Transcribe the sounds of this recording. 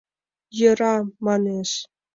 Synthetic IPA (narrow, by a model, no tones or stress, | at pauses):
jɤ̆ɾɑmɑneʃ